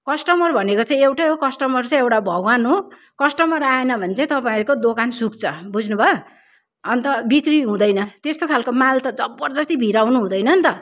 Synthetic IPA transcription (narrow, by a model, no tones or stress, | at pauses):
kʌsʈʌmʌrbʱʌnekot͡sãĩewʈajɦokʌsʈʌmʌrt͡sãĩewʈabʱʌɡwanɦo | kʌsʈʌmʌɾaenʌbʱʌnet͡sʌ̃ĩt̪ʌpaiɾukod̪okansukt͡sʰʌbud͡znubʱʌː | nt̪ʌbikriɦũd̪ʌjnʌt̪est̪okʰalkomalt̪ʌd͡zʌbːʌrd͡zʌst̪ibʱiɾawnuɦũd̪ʌjnʌnt̪ʌ